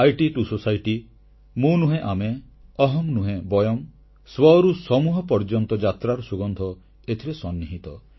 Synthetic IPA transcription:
ajʈiʈusosajʈi | mũnuɦẽʔame | ɔɦɔmnuɦẽbɔjɔm | swɔɾusɔmuɦɔpɔɾd͡ʒɔnt̪ɔd͡ʒat̪ɾaɾɔsuɡɔnd̪ʱɔ | et̪ʰiɾesɔnːiɦit̪ɔ

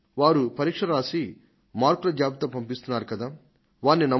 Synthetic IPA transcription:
ʋaːɾupɐɾiːkʂɐɾaːsi | maːɾklɐd͡ʒjaːbit̪ɐpɐmpist̪unːaːɾukɐd̪aː | ʋaːɾnːinɐ

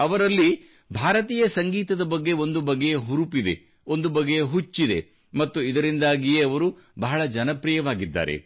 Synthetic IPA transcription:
ɐʋɐɾɐlːi | bʱaːɾɐt̪iːjɐsɐŋɡiːt̪ɐd̪ɐbɐɡːe̞o̞nd̪ubɐɡːejeɦuɾupid̪e | o̞nd̪ubɐɡejeɦut͡ʃːid̪e̞̰ | mɐt̪ːuid̪ɐɾind̪aːɡijeɐʋɐɾu | bɐɦɐɭɐd͡ʒɐnɐpɾijɐʋaːɡid̪ːa̰ːɾe̞̰

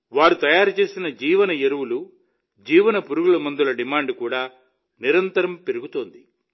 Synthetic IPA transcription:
ʋaːɾut̪ɐjaːɾut͡ʃe̞ːsinɐd͡ʒiːʋɐnɐjeɾuwulu | d͡ʒiːʋɐnɐpuɾuɡulɐmɐnd̪ulɐɖimaːɳɖkuːɽaː | niɾɐnt̪ɐɾɐmpeɾuɡut̪oːnd̪i

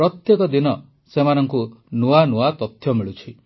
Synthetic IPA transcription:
ɾɔt̪jekɔd̪inɔ | semanɔŋkunuanuat̪ɔt̪ʰjɔmiɭut͡ʃʰi

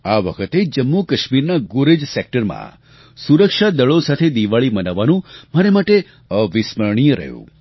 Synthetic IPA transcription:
aʋə̰kʰət̪ed͡ʒəmːukəʃmiɾnaɡuɾed͡ʒsek̚ʈəɾmã̰ | suɾəkʃad̪əɭosat̪ʰed̪iʋaɭimənaʋːanũmaɾemaʈe | əʋisməɾɳ̃ijɾə̰ɦjṵ̃

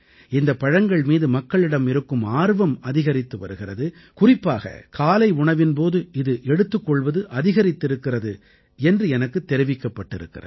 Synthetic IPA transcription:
ɪnd̪ɐpɐɻɐŋɡɐɭmiːðɯmɐkːɐɭɪɽɐmɪɾɯkːɯmaːɾʋɐmɐðɪɣɐɾɪt̪ːɯʋɐ̰ɾɯɣɪrɐðɯ | kʊrɪpːaːɣɐ̰kʰaːlɐɪʊɳɐʋɪnpoːðɯɪðɯʔɛɽɯt̪ːɯkːɔɭʋɐðɯʔɐðɪɣɐɾɪt̪ːɪɾɯkːɪrɐðɯ | ɛndrɯɛnɐkːɯt̪ːɛɾɪʋɪkːɐpːɐʈːɪɾɯ̰kːɪ̰rɐ̰

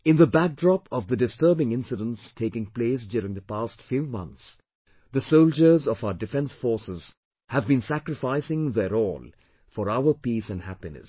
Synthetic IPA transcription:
ɪ̃nðəbæk̚dɹɔpɔvðədɨstə˞bɪ̃ŋɪ̃nsɨɾə̃nstʰeɪkɪ̃ŋpleːs̬djʊɾɪ̃ŋðəpastfjuːmʌ̰̃nt̪s | ðəsoʊld͡ʒə˞zɔfaʊədɨfɛ̃nsfɔɹsɪz̥ | hævbĩnsækɾɨfaɪsɪ̃ŋðəɾɔːl | fɔɾaʊəpiːsɨ̃nhæpɪnɨ̰s

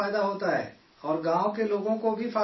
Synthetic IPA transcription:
aːjd̪aɦoːt̪aɦɛ̰ː | ɔːɾɡãːõkeloːɡõkobʱifaː

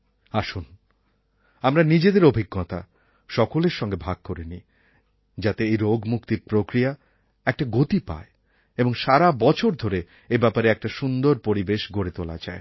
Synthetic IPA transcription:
aʃun | amɾanid͡ʑed̪eɾobʱiɡːɔt̪a̰ | ʃɔkoleɾʃɔŋɡebʱaɡ̚koɾeni | d͡ʑat̪eejɾoɡmukt̪iɾpɾokɾia | ɛk̚ʈaɡot̪ipa̰e | eboŋʃaɾabɔt͡ɕʰoɾd̪ʱoɾe | ebɛpaɾeɛk̚ʈaʃund̪oɾpoɾibeʃɡʱoɾet̪ola̰d͡ʑa̰e

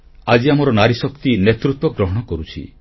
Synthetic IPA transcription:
ad͡ʒiamɔɾɔnaɾisɔkt̪inet̪ɾut̪wɔɡɾɔɦɔɽ̃ɔkɔɾut͡ʃʰḭ

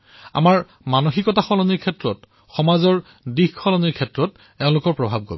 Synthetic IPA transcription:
a̰maɹ | manoxikɔtaxɔlɔniɹkʰɛtɹɔt | xɔmazɔɹ | dixxɔlɔniɹkʰɛtɹɔt | ɛʊ̃lʊkɔɹpɹɔbʱab̚ko̰bɛ

